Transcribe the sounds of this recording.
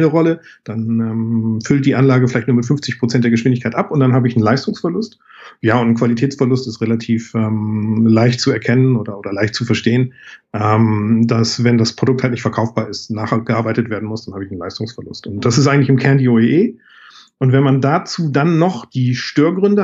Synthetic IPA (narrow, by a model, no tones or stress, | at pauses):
ləʁɔləd̥anɛːmfʏlt̚d̥iːʔanlaːɡəfɪlaɪçtnuːɐmɪtfʏnft͡sɪçpʁ̥ot͡sɛntd̥eːɐɡəʃv̥ɪndɪç̬kʰaɪtʔapʊntd̥anɦaːbəɪçn̩laɪstʊŋsfɛɐlʊst | jaːʊntn̩kv̥alitʰɛːt͡sfɛɐlʊstɪstʁelatʰiːfʔɛːmlaɪçtt͡suɛɐkʰɛnənʔoːdɐʔoːdɐlaɪçt̚t͡sufɛɐʃteːənʔɛmdasvɛndaspʁ̥odʊkthaltnɪçtfɛɐkʰaʊfb̥aːɐɪstnaːχɡ̥əʔaːɐbaɪtətv̥eːɐdn̩mʊsd̥anhaːbəɪçn̩laɪstʊŋsfɛɐlʊ̰stʊnt̚d̥asɪstʔaɪŋtlɪçɪmkʰɛɐndiːoeʔeː | ʔʊntvɛnmandaːt͡suːdanːɔχd̥iːʃtøːɐɡʁʏndə